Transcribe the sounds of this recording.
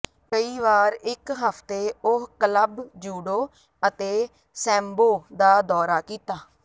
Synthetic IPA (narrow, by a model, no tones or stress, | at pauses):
kəiːʋaːɾɪkɦəpʰt̪eːʊɦkələbd͡ʒuːɽoː | ət̪eː | sɛ̃ːmboːd̪aːd̪ɔːɾaːkiːt̪aː